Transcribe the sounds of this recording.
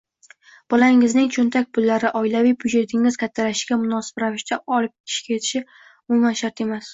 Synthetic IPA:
b̥ɒlaɪŋɪznɪŋt͡ʃʰʊnt̪ʰak̚ʲpʰʊlːaɾɪʔɒɪlavijbʊd͡ʒet̪ʰɪŋɪz̥kʲʰat̪ʰːalaʃɪ̥ɡʲamʊnɒsɪ̥bɾavɪʃt̪ʰaʔɒlɪp̚kʲʰɪ̥ʃkʲajet̪ʰɪ̥ʃɪ | ʊmʊmanʃaɾt̪e̞mas

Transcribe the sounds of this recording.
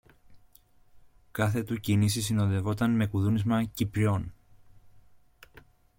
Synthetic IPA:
kɐθe̞t̪ucinisis̬ino̞nðe̞vo̞t̪ɐnme̞kuðunizmɐcipɾio̞n

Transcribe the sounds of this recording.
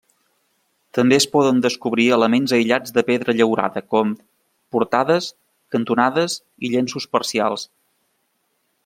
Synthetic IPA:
t̪əmbeəspɔðənd̪əskuβɾiələmenzəjʎad͡zðəpeðɾəʎəwɾa̰ðəkɔm | puɾt̪aðəs | kənt̪unaðəs | iʎensuspəɾsia̰lˠs

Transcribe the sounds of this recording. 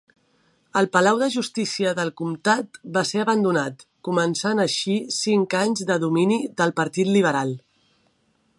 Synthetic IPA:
əlˠpəlawðəʒust̪isiəðəlˠkumt̪at̪baseəβənd̪unat̪kumənsanəʃisiŋkaɲzðəðuminiðəlˠpəɾt̪it̪liβ̞əɾalˠ

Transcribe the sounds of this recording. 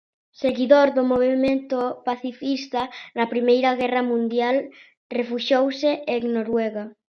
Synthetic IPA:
seɣiðoɾðomoβ̞emẽnt̪opaθifist̪anɐpɾimejɾɐɣɛrɐmũnd̪jal | refuʃowseʔeŋnoɾwɛɣa

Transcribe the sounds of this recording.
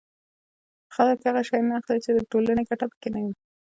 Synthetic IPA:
xələkhaɣaʃɑjnaːxlit͡ʃed̪əʈolanekaʈapə̥kenawi

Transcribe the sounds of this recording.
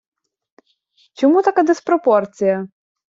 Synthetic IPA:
t͡ʃɔmut̪ɐkad̪ɪspɾɔpɔrt͡sʲijɐ

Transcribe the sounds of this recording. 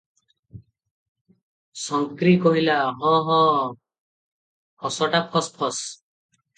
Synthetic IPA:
sɔŋkɾikɔɦilaɦɔ̃ɦɔ̃ | hɔsɔʈapʰɔspʰɔs

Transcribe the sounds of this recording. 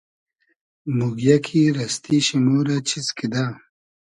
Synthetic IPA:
muɡjakʰiɾɐst̪iɕimoːɾat͡ɕʰizkid̪a

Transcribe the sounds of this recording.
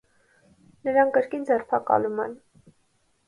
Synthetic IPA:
nəɾɑŋkəɾkind͡zɛrpʰɑkɑ̰lumɛ̰n

